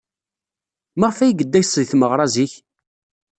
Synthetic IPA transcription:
məʁfæjɡəd̪ːæjsˤːðiθməʁɾˤɑziç

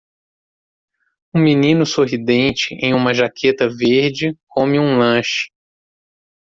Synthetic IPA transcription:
ũminĩnʊsoɦid̪ẽnt͡ʃɪʔẽj̃ũmɐʒakʰet̪ɐveɾd͡ʒɪkõmɪũlɐ̃ʃɪ̥

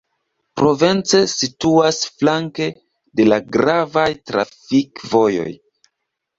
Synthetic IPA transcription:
pɾo̞ve̞nt͡se̞situasflaŋke̞ | de̞laɡɾavajtɾa̰fikvo̞jo̞̰j

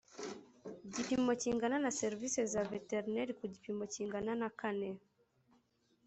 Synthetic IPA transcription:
ɟipimɔciŋɡananasɛɾvisɛzavɛtɛɾnɛɾikuɟipimɔciŋɡananakanɛ

